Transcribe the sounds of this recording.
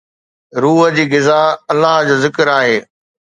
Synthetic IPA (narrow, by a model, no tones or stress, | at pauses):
ɾuːɦə̆d͡ʑiːɡɪzaɐlːaɦd͡ʑoːzɪkəɾaːɦeː